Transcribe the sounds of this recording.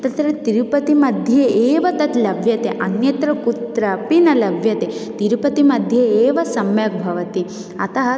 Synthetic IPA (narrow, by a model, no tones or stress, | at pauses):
t̪ɐt̪ɾɐt̪iɾupɐt̪imɐd̪ʱjɐeːʋɐt̪ɐt̪lɐbjɐt̪eʔɐnjɐt̪ɾɐkut̪ɾɐpinɐlɐbʱjɐt̪et̪iɾpɐt̪imɐd̪ʱjɐeːʋɐsɐmjɐk̚bʱɐʋɐt̪i | ɐ̰t̪ɐɦɐ